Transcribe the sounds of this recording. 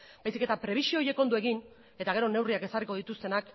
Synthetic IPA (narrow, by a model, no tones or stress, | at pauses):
bajsike̞t̪apɾe̞β̞isioje̞ko̞nd̪ue̞ɣin | e̞t̪aɣ̞e̞ɾo̞ne̞wriake̞sariko̞ðit̪ust̪e̞nak